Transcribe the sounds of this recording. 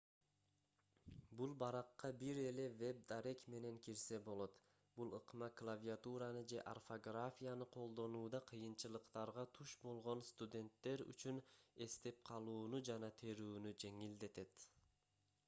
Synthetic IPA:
bulˠbɑɾɑqːɑbiɾe̞le̞ve̞b̚d̪aɾe̞kme̞ne̞ŋkiɾse̞bo̞lˠo̞t̪ | b̥ulˠɯqmɑklˠavʲiat̪uɾɑnɯd͡ʒe̞ʔa̰rfoɡrafʲijanɯqʰo̞lˠd̪o̞nuːd̪ɑqʰɯjɯnt͡ʃɯlˠɯqt̪ɑɾʁɑt̪ʰuʃbo̞lˠʁo̞nst̪ud̪ʲe̞nt̪ːe̞ɾy̰t͡ʃyne̞st̪e̞p̚qʰɑlˠuːnud͡ʒɑnɑt̪ʰe̞ɾuːnyd͡ʒe̞ŋild̪e̞t̪e̞t̪

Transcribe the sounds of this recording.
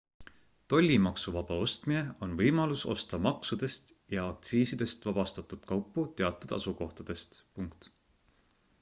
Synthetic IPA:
t̪o̞lʲːimɑksuvɑb̥ɑo̞st̪mine̞o̞nvɤjmɑluso̞̰st̪ɑmɑksud̪̥e̞st̪jɑɑk̚t̪siːsid̪̥e̞st̪vɑb̥ɑst̪ɑt̪ud̪̥kɑwpːˑut̪e̞ɑt̪ːˑud̪̥ɑ̰suko̞ht̪ɑd̪̥e̞st̪puŋkt̪

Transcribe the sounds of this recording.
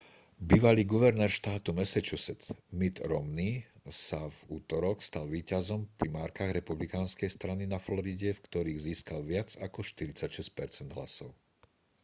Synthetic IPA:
biːʋaliːɡuʋɛɾnɛːɾʃt̪aːt̪umɛsɛt͡ʃusɛt͡smit̪ɾɔmnisavuːt̪ɔɾɔkst̪alʋiːcazɔmpɾimaːɾkaːɣɾɛpublikaːnskɛjst̪ɾaninaflɔɾiɟɛfkt̪ɔɾiːɣziːskalʋɪat͡sakɔʃt̪iɾit͡sacʃɛsc̚pɛɾt͡sɛnd̪ɦla̰sɔʊ

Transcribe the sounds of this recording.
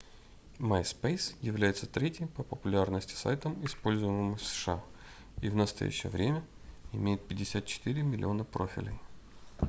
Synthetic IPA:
majspejsjɪvlʲæjɪt̪sət̪ɾʲetʲjɪjpəpəpʊlʲarnəsʲtʲɪ̥sa̰jt̪əmɪspo̞lʲzʊjɪmɨmɨjfsə̥ʂɨa | ivnəst̪ɐ̰jæ̰ɕːɪ̰jə̰vɾʲemʲə | ɪmʲejɪt̪̚pʲɪdʲɪsʲat̪̚t͡ɕɪ̥t̪ɨɾʲɪmʲɪlʲɪ̰o̞nəpɾo̞̰fʲɪ̰lʲɪ̰j

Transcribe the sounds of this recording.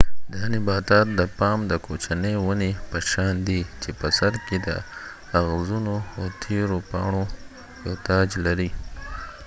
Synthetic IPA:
d̪ɑnɪbɑt̪ɑt̪̚d̪əpɑmd̪əkot͡ʃanəjwunepəʃɑnd̪it͡ʃepəsaɾked̪ə̰ | aɣzunoawt̪ʰeɾopɑɳo | jot̪ɑd͡ʒlaɾi

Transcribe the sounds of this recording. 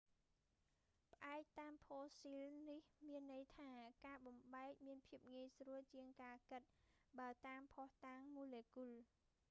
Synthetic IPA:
pə̆ʔaɛk̚t̪aːmpʰoːsilnihmiənːɨjt̪ʰaːkaːɓɑmɓaɛk̚miənpʰiəp̚ŋiəjsruəlt͡ɕiəŋkaːkɨt̪̚ɓaət̪aːmpʰɔht̪aːŋmuːleːkul

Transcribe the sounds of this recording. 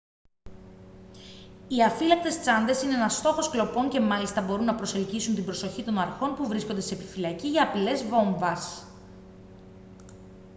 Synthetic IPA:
iɐfilɐk̚t̪e̞st͡sɐnd̪e̞sine̞enɐst̪o̞xo̞sklo̞po̞ɲce̞mɐlist̪ɐbo̞ɾunːɐpɾo̞se̞lcisunt̪ibɾo̞so̞çit̪o̞nɐɾxo̞npuvɾisko̞nd̪ese̞ːpifilɐciʝɐːpile̞zvo̞ɱvɐs

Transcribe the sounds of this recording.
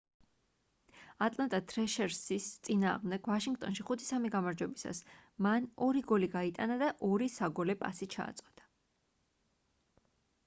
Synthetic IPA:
at̪ʼlˠant̪ʼat̪ʰɾɛʃɛɾsist̪sʼina̰ːʁmd̪ɛɡ̥vaʃiŋɡt̪ʼɔ̰nʃiχut̪ʰi̥samiɡamaɾd͡ʒwɛbisa̰smanɔɾiɡɔliɡait̪ʼanad̪aʔɔɾisaɡɔlɛpʼa̰sit͡ʃʰa̰ːt̪sʼqʼɔd̪̥ḁ

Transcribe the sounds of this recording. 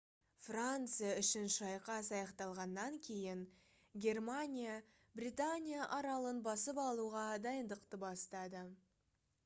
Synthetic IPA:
frant̪sɨjaʏʃɪnʃɑjqɑsɑjɑqt̪ɑlˠʁɑnːɑŋkʲʰe̞jɪŋ | ɡʲe̞rmanʲija | brʲit̪anʲijaʔɑɾɑlˠənbɑsəpɑlˠuʁɑd̪ɑjənd̪əqt̪əbɑst̪ɑd̪ə

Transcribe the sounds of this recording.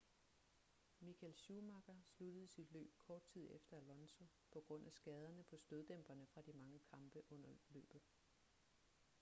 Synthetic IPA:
mikʰælɕumɑɡ̥ɐslud̥əð̞̩ˠsid̥lø̰ːb̥̚kʰɒːd̥̚t͡sʰið̞̰ˠefd̥ɐælɒ̽nso̝ | pʰɒ̽ɡ̥ʁɔ̽n̰ʔæsɡ̥ɛːð̞ˠɐnəpʰɒ̽sd̥øðˠd̥em̰b̥ɐnəfʁɑ̈d̥imɑ̈ŋəkʰɑ̈mb̥əʔɔ̽n̰ɐlø̰ːb̥ð̩ˠ

